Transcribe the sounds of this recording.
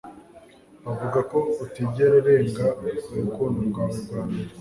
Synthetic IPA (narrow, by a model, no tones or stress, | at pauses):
βavuɡakoutibɟeɾaɾe̞ːŋɡauukonumɡaβuɡaːn